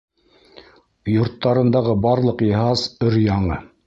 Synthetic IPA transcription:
jŏɾt̪ːɑɾɤ̆nd̪ɑʁɤbɑɾlˠɤqjɤ̆ɦɑzɵɾjɑɴɤ

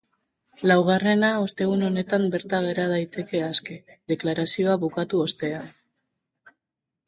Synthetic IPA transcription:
lawɣ̞are̞nao̞st̪e̞ɣuno̞ne̞t̪ambe̞ɾt̪aɣ̞eɾað̞ajt̪e̞ke̞aske̞ðe̞klaɾasio̞aβukat̪uo̞st̪e̞an

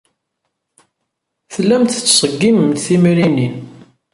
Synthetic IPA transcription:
θəlːæmt̪ət͡sːsˤəɡːiməmt̪θimɾinin

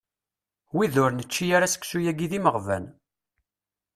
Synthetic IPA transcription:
wiðʊɾnət͡ʃːijaɾasə̥ksujæɡiðiməʁvæ̰n

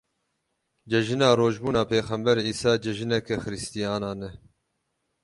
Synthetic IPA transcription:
d͡ʒɛʒinɑːɾoːʒbuːnɑːpʰeːxɛmbɛɾiːsɑːd͡ʒɛʒinɛkɛxɨɾɨst̪ijɑːnɑːnɛ

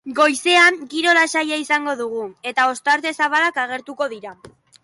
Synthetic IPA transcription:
ɡo̞jse̞aŋkiɾo̞lasajaisaŋɡo̞ðuɣ̞ue̞t̪ao̞st̪aɾt̪e̞saβalakaɣ̞e̞ɾt̪uko̞ðiɾa

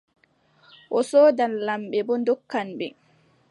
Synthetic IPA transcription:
ʔɔsɔːdanlamɓɛbɔndɔkːanɓɛ

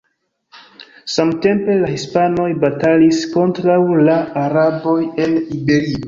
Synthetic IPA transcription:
samte̞mpe̞lahispano̞jbatalisko̞ntɾawlaːɾabo̞je̞nibe̞ɾio

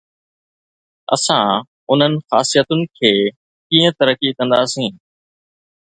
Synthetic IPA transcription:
ɐ̰sã | ʊn̤ənɪ̆xaːsijət̪ʊnɪ̆kʰeː | kĩːə̃t̪ɐɾəkikɐ̃nd̪aːsĩː

